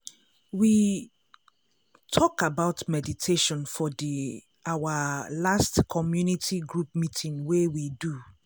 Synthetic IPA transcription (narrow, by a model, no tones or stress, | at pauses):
wi | tʰɔkabaʊtmɛditʰeʃɔ̃nfɔdi | awalastkʰɔmjunitʰiɡɹup̚mitʰĩŋwewidu